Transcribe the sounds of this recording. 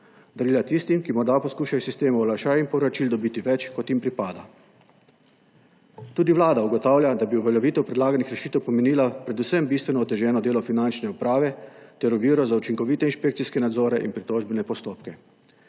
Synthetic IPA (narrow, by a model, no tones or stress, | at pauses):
d̪aɾiːlat̪ist̪imkimɔɾd̪apɔskuːʃajsist̪eːmuɔlaʃaːjinpɔwɾat͡ʃild̪ɔbiːt̪iʋɛt͡ʃkɔt̪jimpɾipaːd̪a̰ | t̪uːd̪iʋlaːd̪auɡɔt̪aːwljad̪abiuʋɛljɛʋiːt̪ɛwpɾɛd̪laːɡanixɾɛʃiːt̪ɛwpɔmɛniːlapɾɛd̪usɛmbist̪ʋɛnɔːt̪ɛʒɛːnɔd̪eːlɔfinant͡ʃnɛupɾaːʋɛt̪ɛɾuʋiːɾɔzaut͡ʃiŋkɔʋit̪ɛinʃpekt̪siskɛnad̪zoːɾɛʔḭnpɾit̪oʒbɛnɛpɔst̪oːpkɛ